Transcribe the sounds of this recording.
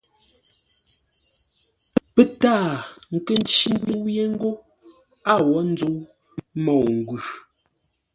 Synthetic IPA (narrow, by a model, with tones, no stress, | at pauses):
pe˦taː˦˨ŋ̩˨ke˦˨n̩˦t͡ʃi˦ŋ˦ɡwe˦wje˦ŋ̩˦ɡo˦ | a˦˨wɔ˨˦n̩˦d͡zo˦w | mɔ˨ŋ̩˨ɡʉ˨